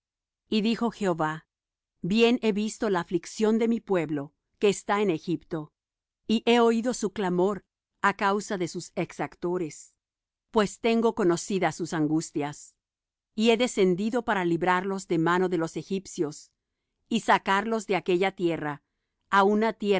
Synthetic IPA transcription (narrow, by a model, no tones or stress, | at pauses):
iðixo̞xe̞oβa | bje̞ne̞βist̪o̞laːfliksjo̞nd̪e̞mipwe̞βlo̞ | ke̞ːst̪aene̞xipt̪o̞ | iʔe̞o̞iðo̞suklamo̞ɾ | akawsaðe̞suse̞ksakt̪o̞ɾe̞s | pwe̞st̪e̞ŋɡo̞ko̞no̞siðasusaŋɡust̪jas | ie̞ðe̞se̞nd̪iðo̞paɾaliβɾaɾlo̞zðe̞mano̞ðe̞lo̞se̞xipsjo̞s | isakaɾlo̞zðe̞ake̞ʝat̪je̞raː | unat̪je